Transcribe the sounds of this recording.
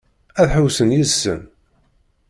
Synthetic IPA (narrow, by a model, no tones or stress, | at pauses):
æðħəwsənjizsə̰n